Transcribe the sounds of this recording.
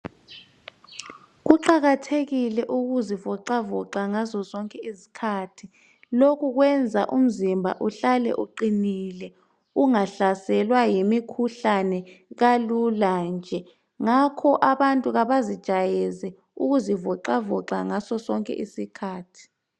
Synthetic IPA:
ɣuǃaɣatʰeɣilɛʔuɣuzivɔǃavɔǀaŋazɔzɔŋkʼɛizi̥kʰatʰi | lokʰuɣwɛnd͡zʱa̰ʔum̩zimbʱa̰ʔuɬalɛ̰ʔuǃinilɛ | uŋaɬasɛlwajimikʰuɬanɛɣaluland͡ʒʱɛ | ŋakʰɔʔaβantʼuɣaβazid̥ʒ̥ʱajɛzɛ | uɣuzivɔǃavɔǁaŋasɔsɔŋkʼɛ̰ʔisikʰaːtʰi̥

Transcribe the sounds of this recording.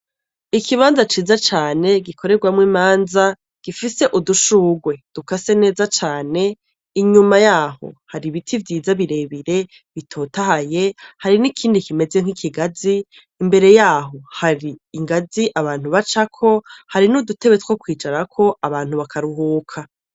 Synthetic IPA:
ikʰiβaːnzat͡ʃiːzat͡ʃaːne̞ɡikʰo̞ɾe̞ɾɡwamŋwiːmaːnza | ɡ̥ifise̞ʔuduʃuːɡwe̞d̥ukase̞ne̞ːzat͡ʃaːne̞ | iɲumajaːho̞̰haɾiβitʰivjiːzaβiɾe̞ːβiɾe̞ | βitʰo̞ːtahaje̞haɾinikʰiːndikime̞zeŋ̥hikʰiɡaziː | mbe̞ɾe̞jaːɦo̞haɾiiŋɡaziʔaβaːn̥huβat͡ʃakʰo̞haɾinudute̞βetwokwiːt͡ʃaɾakʰo̞aβaːn̥huβakʰaɾuɦuːkʰa

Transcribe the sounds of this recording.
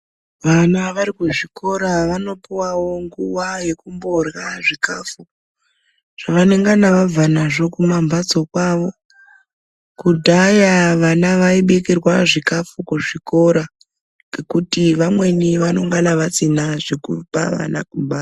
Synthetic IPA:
ʋanaʋaɾikuʐikʰo̞ɾaʋano̞piwawo̞ŋɡuwaje̞kumborwaʐikafuko | ʐ̥aʋane̞ŋɡanaʋavanaʐo̞kumambad͡zo̞kwaʋo̞ | kudʱajaʋanaʋaiɓekirwaʐikafukuʐiko̞ɾa | ŋɡekutiʋamwe̞niʋano̞ŋɡanaʋasinaʐekupa̰ʋa̰na̰kumba

